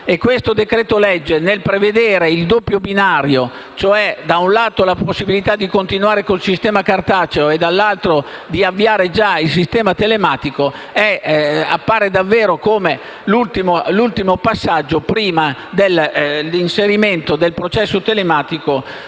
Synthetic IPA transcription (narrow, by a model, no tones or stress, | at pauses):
ekːwest̪od̪ekɾeːt̪olɛd͡ʒːenelpɾeved̪eːɾeild̪opːjobinaːɾjo | t͡ʃoɛd̪aunlaːt̪olaposːibilit̪ad̪ːikont̪inwaːɾekolsist̪ɛːmakart̪aːt͡ʃeoed̪alːalt̪ɾod̪iavːiaːɾed͡ʒails̬ist̪ɛːmat̪elemaːt̪iko | ɛa̰pːaːɾed̪avːeːɾokoːme | lult̪imolult̪imopasːad͡ʒːopɾiːmad̪elinseɾiment̪od̪elpɾot͡ʃɛsːot̪elemaːt̪iko